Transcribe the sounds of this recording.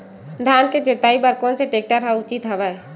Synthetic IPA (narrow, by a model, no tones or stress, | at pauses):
d̪ʱaːnked͡ʒet̪aːibəɾkõnseʈeːk̚ʈəɾɦaʊt͡ʃit̪ɦəʋɛe